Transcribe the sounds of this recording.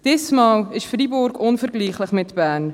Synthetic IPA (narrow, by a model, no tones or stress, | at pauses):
d̥ɛsmɑːləsfribɔrkɔnfərɡliːχləχmɛtbæːn